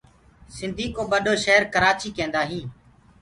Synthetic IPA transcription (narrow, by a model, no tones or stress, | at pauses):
sɪnd̪ʱiːkoːɓəɗoːʃeɦəɾkəɾaːt͡ʃiːkẽːnd̪aːɦĩː